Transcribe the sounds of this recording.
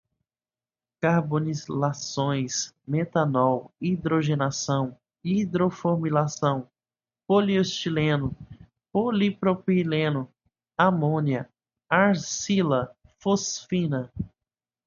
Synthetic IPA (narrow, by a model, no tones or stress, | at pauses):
kaɾbonilasõj̃smet̪anɔwid̪ɾoʒenasɐ̃w̃ | id̪ɾofoɾmilasɐ̃w̃ | poliost͡ʃilẽnʊ | polipɾopilẽnʊ | amõniɐ | aɾsilɐ | fosfĩnɐ